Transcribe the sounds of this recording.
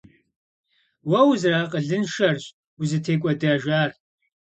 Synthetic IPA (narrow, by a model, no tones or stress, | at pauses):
wɐwzraːqʼəɮɨnʃɐrɕʼ | uzɨtʰeːkʷʼɔdɐʒaːr